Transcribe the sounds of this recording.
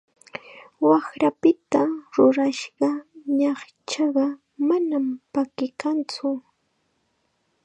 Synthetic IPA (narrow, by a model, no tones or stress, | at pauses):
wɑxɾapɪt̪aɾʊɾaʃɢɑɲɑχ | t͡ʃɑɢɑ | manampakɪkant͡sʊ